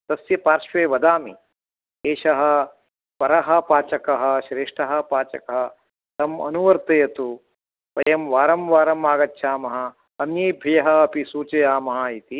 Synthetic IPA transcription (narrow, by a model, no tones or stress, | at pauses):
t̪ɐsjɐpaːɾʃʋeːʋɐd̪aːmi | eːʃɐɦɐ̆ | pɐɾɐɦɐ̆paːt͡ʃɐkɐɦɐ̆ʃɾeːʂʈɐɦɐ̆paːt͡ʃɐkɐɦɐ | t̪ɐmɐ̰nuʋɐɾt̪ɐjɐt̪u | pɐjɐmʋaːɾɐmʋaːɾɐmaːɡɐtːʃʰaːmɐɦɐ̆ | ɐmjeːbʱijɐɦɐ̆ːpisuːt͡ʃɐjaːmɐɦɐit̪i